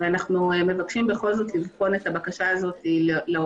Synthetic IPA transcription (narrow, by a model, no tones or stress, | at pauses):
veanaχnueme̞vakʃimbeχo̞lzo̞t̪livχo̞net̪abakaʃaːzo̞tilele